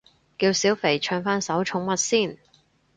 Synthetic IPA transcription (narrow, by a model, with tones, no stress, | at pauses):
kiː˧wsiː˨˥wfe˨˩jt͡ʃʰœː˧ŋfaː˥nsɐ˨˥wt͡ʃʰʊ˨˥ŋmɐ˨t̚siː˥˩n